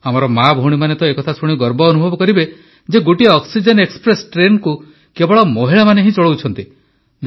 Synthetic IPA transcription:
amɔɾɔmabʱoɽ̃imanet̪ɔekɔt̪ʰasuɽ̃iɡɔɾbɔːnubʱɔbɔkɔɾibe | d͡ʒeɡoʈiɔksid͡ʒenekspɾesʈɾenku | kebɔɭɔmɔɦiɭamaneɦĩt͡ʃɔɭowt͡ʃʰɔnt̪i

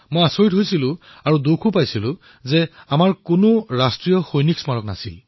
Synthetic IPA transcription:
mojasoɹitɦojsilʊ̃ | aɹudokʰupajsilʊ̃ | zɛamaɹkʊnʊɹastɹijɔxojniksmaɹɔkna̰sil

